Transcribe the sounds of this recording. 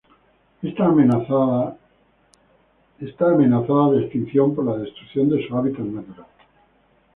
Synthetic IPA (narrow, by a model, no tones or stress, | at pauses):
est̪am | est̪aːme̞naθaðaðeest̪in̟θjo̞mpoɾlaðe̞st̪ɾukθjo̞nd̪e̞suaβit̪at̪nat̪uɾal